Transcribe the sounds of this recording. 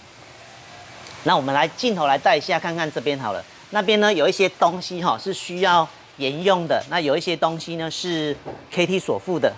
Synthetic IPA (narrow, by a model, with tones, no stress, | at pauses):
na˥˩˨wɔ˨˩mə˨˦nla˨˦ɪt͡ɕi˥˨nt̪ʰo˧˦la˨˧˦ɪt̪a˥˩ɪi˧ɕja˥˧kʰa˥˧nkʰa˥˧nʈ͡ʂɤ˥˧˩p̬jɛ˦nxɑ˨˩ʊlə̰˦ | na˥˩p̬jɛ˦nːə˨jo˨˩ʊi˥˩ɕjɛ˦t̪o˦ŋɕi˦ɦɔ˨ʂɻ̩˥˩ɕy˦jɑ˥˩ʊ | jɛ˨˦njʊ˥˩ŋd̪ə˩na˥˩jo˨˩ʊi˥˩ɕjɛ˦t̪o˦ŋɕi˦nə˨ʂɻ̩˥˩kʰe˥ɪt̪ʰi˥swɔ˨˩fu˥˩d̪ə˩